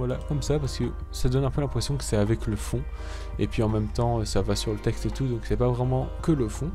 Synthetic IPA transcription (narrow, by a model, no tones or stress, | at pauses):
vwalakɔmsapaʁsəkəsad̪ɔnɛ̃pølɛ̃pχɛsjɔ̃kə̥sɛavɛkləfɔ̃ | epɥiɑ̃mɛmt̪ɑ̃øsavasyʁlət̪ɛkst̪et̪ud̪ɔ̃ksɛpavʁɛmɑ̃kələfɔ̃